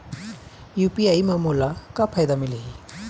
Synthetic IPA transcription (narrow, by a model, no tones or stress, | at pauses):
jupiajmamulakapʰajd̪amiliɦi